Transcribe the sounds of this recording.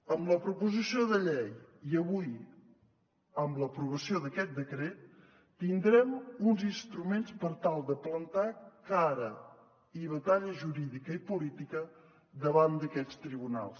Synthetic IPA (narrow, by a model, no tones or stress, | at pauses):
əmləpɾupuzisioðəʎejiəβuj | əmləpɾuβəsioðəkɛt̪̚d̪əkɾet̪̚ː | ind̪ɾɛmunzinst̪ɾumenspəɾt̪alˠd̪əplənt̪akaɾə | iβət̪aʎəʒuɾiðikəipulit̪ikə | d̪əβand̪əkɛt͡st̪ɾiβuna̰lˠs